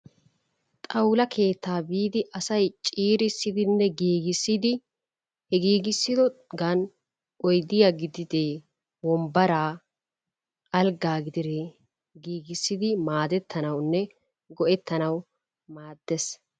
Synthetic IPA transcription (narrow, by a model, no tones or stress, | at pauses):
t̪ʼɐwlɐkʰe̞ːt̪ʰːaːbiːd̪ɪʔɐsɐjt͡ʃʼiːɾɪsːɪd̪ɪnːɛɡiːɡɪsːɪd̪ɪ | hɛɡiːɡɪsːɪd̪ɔɡɐn | ʔɔjd̪ɪjaɡɪd̪ɪd̪eː | wɔmbɐɾaː | ʔɐlɡaːɡɪd̪ɪɾe | ɡiːɡɪsːɪd̪ɪmaːd̪ɛt̪ʰːɐnɐwnːɛ | ɡɔʔɛt̪ʰːɐnɐw | maːd̪ːɛs